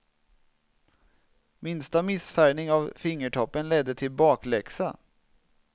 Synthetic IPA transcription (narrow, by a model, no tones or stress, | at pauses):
mɪnst̪amɪsfæɳɪŋɑvfɪŋːəʈʰɔpːənlɛd̪ːət̪ʰɪlbɑːklɛksa